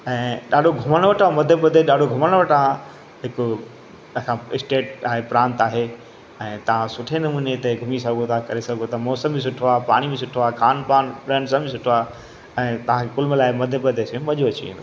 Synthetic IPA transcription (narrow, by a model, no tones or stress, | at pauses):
ɛ̃ːɗaːɗʱoɡʱʊməɽ̃ʋɐʈʰamɐd̪ʱepɐd̪ʱeɗaːɖʱoɡʱʊməɽɽ̃ʋɐʈaã | ɦɪkʊ | sãɪsʈeːʈaːɦepɾãːnt̪aːɦe | ɛ̃ːt̪ɐʋ̤ãsʊʈʰenɐmuːnet̪ɐɡʱʊmisɐɡʱot̪ʰakɐɾesɐɡʱot̪ʰamɔːsə̃mbĩs̬ʊʈʰoaːpaːɽ̃ibĩsʊʈʰoaːxaːnpaːnɾɛ̃ːɳɖsãbĩsʊʈʰoaː | ɛ̃ːt̪ɐʋãkʰekʊlmlaːɪmɐd̪ʱebɐd̪ʱesẽmɐʄoɐt͡ɕḭḛ̃ːnd̪o